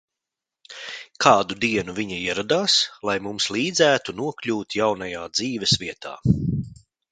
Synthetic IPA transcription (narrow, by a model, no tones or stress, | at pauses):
kʰaːd̪ud̪iɛnuviɲaiɛɾad̪aːslˠajmumslˠiːd̪zæːt̪unuɔklʲuːt̪jawnajaːd̪ziːvɛsvʲiɛt̪a̰ː